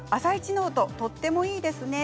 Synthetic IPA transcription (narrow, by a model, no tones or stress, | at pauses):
asait͡ɕino̞ːt̪o̞t̪o̞t̪ːe̞mo̞iːd̪e̞sɨne̞